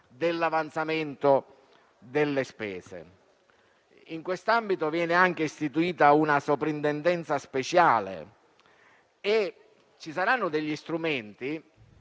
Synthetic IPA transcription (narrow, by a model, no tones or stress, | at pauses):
d̪elːavant̪sament̪o | d̪elːespɛ̰ːsḛ | iŋkwest̪ambit̪ovjɛːnɪaŋk̟eist̪it̪uiːt̪aunasopɾint̪ɛnd̪ɛnt̪saspet͡ʃaːlḛ | e | t͡ʃisaɾanːʊd̪eʎːist̪ɾumɛnt̪i